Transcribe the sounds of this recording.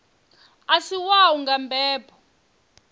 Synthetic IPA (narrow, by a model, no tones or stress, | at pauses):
asiwawuŋɡambʱɛːpʰʼɔ̥